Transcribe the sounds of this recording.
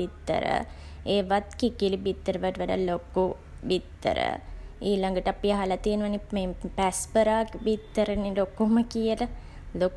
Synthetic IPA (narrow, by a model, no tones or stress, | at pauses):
it̪ːə̰ɾə̰ | eːʋat̪kikilibit̪ːəɾəʋəʈəʋaɖa̰loku | bit̪ːə̰ɾə̰iːlaŋɡəʈəapiɦalat̪ienəʋanimepæspəɾaːkbit̪ːəɾənilokuməkijələ | lok